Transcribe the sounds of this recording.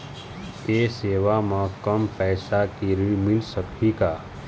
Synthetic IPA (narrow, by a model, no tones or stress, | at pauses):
t̪eːseːʋamãkəmpɛːsakiɾimɪlsəkʰikaː